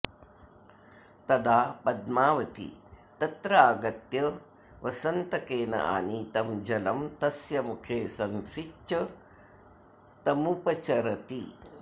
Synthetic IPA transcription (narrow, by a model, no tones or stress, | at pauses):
t̪ɐd̪aːpɐd̪maːʋɐt̪ḭt̪ɐt̪ɾɐaːɡɐt̪jɐ | ʋɐsɐnt̪ɐkeːnɐ̰ʔa̰ːnit̪ɐmd͡ʒɐlɐmt̪ɐsjɐmukʰeːsɐmʃit͡ʃːɐ | t̪ɐmupɐt͡ʃɐɾɐt̪i